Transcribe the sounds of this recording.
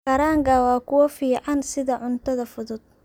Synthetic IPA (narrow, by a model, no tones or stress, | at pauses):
kɐɾaːŋkʰɐwɑːkʰʊwɐfiːʕɑnsɪðɐʕʊnt̪ʰɐðɐfʊðʊd̪̚